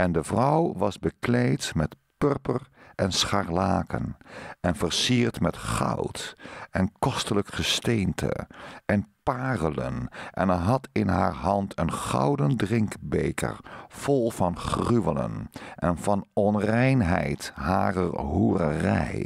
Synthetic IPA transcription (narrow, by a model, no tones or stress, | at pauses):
ɛndəvrʌwʋɑzbəklejtmɛt | pøɹpərʔɛnsχarlaːkə̰nɛnvəɹsiːɹtmɛtχɑ̰wtɛnkɔstələkχəstejntʰə̰ɛnpaːrələ̰nʔɛ̰nəɦɑtɪnɦaːɹɦɑntʰənχɑ̰wdəndrɪŋkbejkə̰ɹv̥ɔlˠvɑnχryʋələ̰nʔɛnvɑnɔnrɛjnɦɛ̰jtɦaːrərɦuːrərɛ̰j